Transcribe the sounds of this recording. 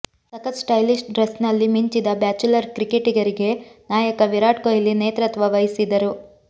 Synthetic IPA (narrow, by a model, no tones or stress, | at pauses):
sɐkɐt̪sʈɐjlisʈɖɾɐsnɐlːimiɲt͡ʃid̪ɐbaːt͡ʃulɐɾkɾikeʈiɡɐɾiɡe̞naːjɐkɐʋiɾaːʈkojɐlːineːt̪ɾɐt̪ʋɐʋɐjisid̪ɐɾu